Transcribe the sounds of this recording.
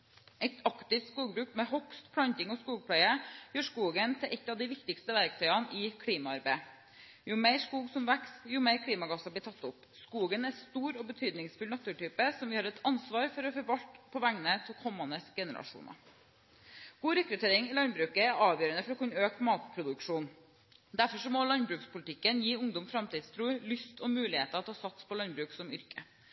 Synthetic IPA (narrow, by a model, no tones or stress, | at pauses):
ɛt̪ɑkt̪ɪft̪skuːɡbɾʉːkmɛɦɔkst̪pʰɽɑnt̪ɪŋɔskuːɡ̚pʰɽæɪəjøːʂkuːɡənt̪ʰɪlʔɛt̪ːɑʋd̪ɪʋɪkt̪ɪkst̪əʋæɾk̚t̪ʰœʏɑnɪkʰɽiːmɑɑɾbæɪ | jʊmeɪɾʂkuːɡsɔmʋæksjʊmeɪɾkʰɽiːmɑɡɑsɑbliːt̪ʰɑt̪ːʊp | skuːɡənæst̪uːɾɔbət̪ʰyːd̪nɪŋsfʉlnɑt̪ʉːʈyːpəsɔmʋɪhɑːɾɛt̪ʰɑnsʋɑːɾfɔɾɔfɔɾʋɑʎt̪pʰɔʋæŋnət̪ʰɛlkʰɔmːɑnəsɡɛnəɾɑ̰ʂṵːnɑ̰ | ɡ̥uːɾɛkɾʉt̪ʰeːɾɪŋɪlɑnbɾʉːkəæɾɑːʋjøːɾənəfɔɾɔkʰʉnøːkmɑːt̪pʰɾʊd̪ʉkʂuːn | d̪æɾfɔʂɔmɔlɑnbɾʉːkspʊlət̪ʰɪkːənjiːʊŋd̪ɔmfɾɑmt̪iːd̪st̪ʰɾuːlʏst̪ɔmʉːlɪheːt̪əɾɔt̪ʰɑːsɑt̪spʰɔlɑnbɾʉːksɔmʏɾkə